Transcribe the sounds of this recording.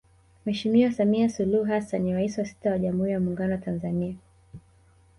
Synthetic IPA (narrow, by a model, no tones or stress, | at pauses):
mwɛʃimiwasamiasuluhuɦasanːiɾaisiwasi̥tawaʄamhuːɾijamuːŋɡanɔwatanzania